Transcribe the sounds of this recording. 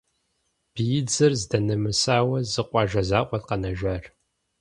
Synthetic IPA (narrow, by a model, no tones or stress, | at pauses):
b̥ijɪd͡zɨrzdɐnɐmɨsaːwɐzɨqʷʼɑːʒɐzaːʔʷʼɔtqɐnɐʒɐr